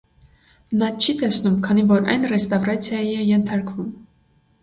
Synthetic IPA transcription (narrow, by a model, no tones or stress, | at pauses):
nɑt͡ʃʰit̪ɛsnumkʰɑnivɔɾɑ̰jnrɛst̪ɑvrɑt͡sʰjɑjiɛjɛnt̪ʰɑɾkvum